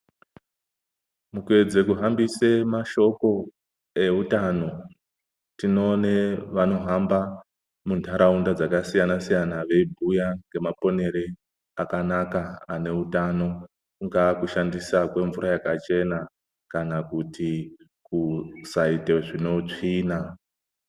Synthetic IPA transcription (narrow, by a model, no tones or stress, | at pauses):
mukwe̞d͡ze̞kuɦambisemaʃo̞ko̞ | e̞utano̞ | tino̞neʋano̞ɦamba | muntʰaɾʔaundad͡zakasijanasijanaʋe̞bʱujaŋɡe̞mapo̞ne̞ɾe | akanakaane̞utano̞ | kuŋɡakuʃandisakwe̞ɱvuɾajakat͡ʃe̞na | kanakuti | kusaiteʐino̞t͡ʂiːna